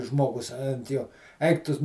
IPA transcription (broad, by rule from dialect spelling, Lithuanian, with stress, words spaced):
ˈʒmoːɡʊs ɐnt ˈjoː ˈɐɪk ˈtʊ